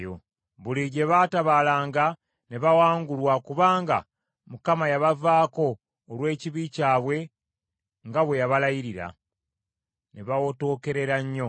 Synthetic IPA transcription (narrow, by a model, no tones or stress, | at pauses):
jo̰ | βuliɟe̞βaːtaβalaːŋɡa | ne̞βawaːŋɡulwakuβaːŋɡa̰ | mukamajaβavaːko̞ː | lwe̞ːciβicaːβwe̞ | ŋɡaβwe̞jaβalajiɾiɾa̰ | ne̞βawoto̞ːke̞ɾe̞ɾaɲːo̞